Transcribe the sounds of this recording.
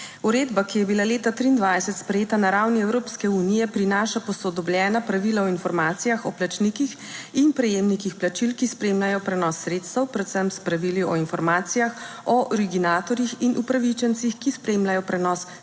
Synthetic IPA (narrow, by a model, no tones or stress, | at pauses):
uɾeːd̪bakijɛbilaleːt̪at̪ɾiːnd̪ʋajsɛt̪spɾɛjeːt̪anaɾawniɛwɾoːpskɛunijɛpɾinaːʃapɔsɔd̪ɔbljɛːnapɾaʋilaɔinfɔɾmaːt̪sijaxɔplat͡ʃnikix | inpɾɛjeːmnikixplat͡ʃilkispɾeːmlajɔpɾɛnɔsːɾeːt̪st̪əwpɾɛt̪səmpspɾaʋiliɔinfɔɾmaːt̪sijax | ɔʔɔɾiɡinaːt̪ɔɾjixinʔupɾaʋit͡ʃɛnsixkispɾemlʲajɔpɾɛnɔs